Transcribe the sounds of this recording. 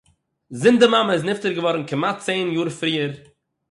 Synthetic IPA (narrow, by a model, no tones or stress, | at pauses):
zɪndɪmaməɪs̬nɪftəɾɡəvɔɾn̩kɪmat̚t͡seɪnjuːɾfɾiːəɾ